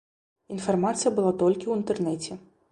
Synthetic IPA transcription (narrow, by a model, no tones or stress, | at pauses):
infarmat̪sɨjɐbɨlˠat̪ɔlʲkʲiwint̪ɛrnɛt͡sʲɛ